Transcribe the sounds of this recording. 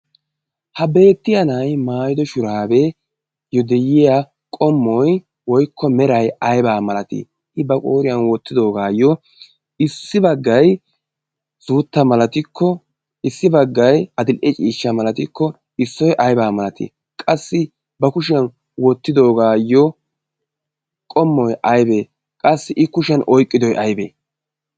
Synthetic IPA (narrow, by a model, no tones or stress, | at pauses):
hɐbe̞ːt̪ːɪjɐnɐjmaːjɪd̪ɔʃʊɾaːbɛ | jɔd̪ɛjɪja | kʼɔmːɔj | wɔjkːɔmɛɾɐjɐjbaːmɐlɐt̪ɪ̰ | hɪbɐkʼoːɾɪjɐnwɔt̪ːɪd̪o̞ːɡaːjːɔ | ɪsːɪbɐɡːɐj | suːt̪ːɐmɐlɐt̪ɪkʰːɔ | ɪsːɪbɐɡːɐjɐd̪ɪlʔɛt͡ʃʼiːʃːɐmɐlɐt̪ɪkːɔ | ɪsːɔjʔɐjbaːmɐlɐt̪ḭ | kʼɐsːɪ | bɐkʊʃɪjɐn | wɔt̪ːɪd̪o̞ːɡaːjɔ | kʼɔmːɔjʔɐjbeː | kʼɐsːɪʔɪkʊʃɪɐnʔɔjkʼːɪd̪ɔjʔɐjbḛː